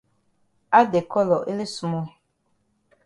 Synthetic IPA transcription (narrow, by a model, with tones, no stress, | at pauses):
a˦de˨kɔ˦lɔ˨ʔe˦le˦su˦mɔ˦